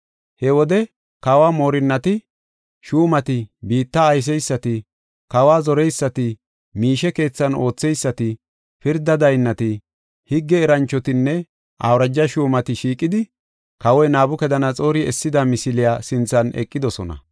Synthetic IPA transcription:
hɛwɔd̪ɛ | kɐwaːmo̞ːɾɪnːɐt̪ɪ | ʃuːmɐt̪ɪbiːt̪ːɐːjs̬ɛjsːɐt̪ɪ | kɐwaːzɔɾɛjsːɐt̪ɪ | miːʃɛke̞ːt͡sːɐno̞ːt͡sːɛjsːɐt̪ɪ | pɪɾd̪ɐd̪ɐjnːɐt̪ɪ | hɪɡːɛːɾɐnt͡ʃːɔt̪ɪnːɛ | ʔa̰wɾɐd͡ʒːɐʃuːmɐt̪ɪʃiːkʼːɪd̪ɪ | kɐwɔjnaːbʊkɛd̪ɐnɐt͡sʼo̞ːɾɪɛsːɪd̪ɐmɪsɪlɪjaːsɪnt͡sːɐnɛ̰kʼːɪd̪ɔsɔnɐ̰

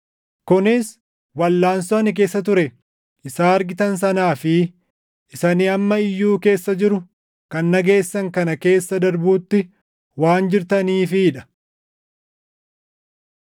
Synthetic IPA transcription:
kʊnɪs | wɐlːaːnsɔɐnɪk̬e̞ːsːɐt̪̬ʊɾɛ | ʔɪsaːɐɾɡɪt̪ɐns̬ɐnaːfɪ | ʔɪsɐniɐmːɐɪjːuːke̞ːsːɐd͡ʒɪɾʊ | kɐnːɐɡe̞ːsːɐŋkɐnɐke̞ːsːɐd̪ɐɾbuːt̪ːɪ | waːnd͡ʒɪɾt̪ɐniːfɪᶑɐ̥

